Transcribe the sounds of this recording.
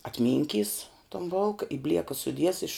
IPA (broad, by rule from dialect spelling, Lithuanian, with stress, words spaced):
ɐtʲˈmʲɪŋʲˌkʲiːs toːn ˈboːlˠkɐ ɪ ˈbʲlʲiɛkɐ sʊˈdʲiɛs ɪʃ